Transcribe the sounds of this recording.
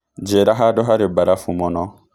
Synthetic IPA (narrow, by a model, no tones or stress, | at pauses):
d͡ʒeɾaɦadɔɦaɾebaɾafumɔnɔ